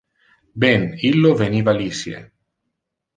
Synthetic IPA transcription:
bɛnilːoveniːvalisjḛ

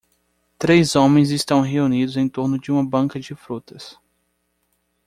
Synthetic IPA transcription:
t̪ɾejzõmẽj̃zɪst̪ɐ̃w̃ɦeunid̪ʊzẽj̃t̪oɾnʊd͡ʒɪũmɐbɐ̃ŋkɐd͡ʒɪfɾut̪ɐs

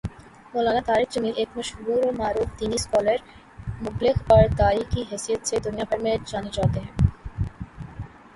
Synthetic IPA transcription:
moːlaːnat̪aːɾikd͡ʑəmileːkmɐʃɦuːɾomaːɾuːft̪iːniskɔːləɾ | mʊblɪxɔɾt̪aːɾikiɦɛsijət̪sʰed̪ʊnijabʱɐɾmed͡ʒaːnid͡ʒaːt̪eɦɛ̃

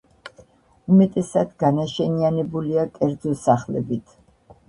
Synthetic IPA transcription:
umɛt̪ʼɛsad̪ɡanaʃɛnianɛbuliakʼɛɾd̪zɔsaχlɛ̰bit̪ʰ

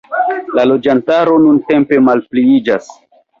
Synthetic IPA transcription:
lalo̞d͡ʒantaɾo̞nunte̞mpe̞malpliid͡ʒas

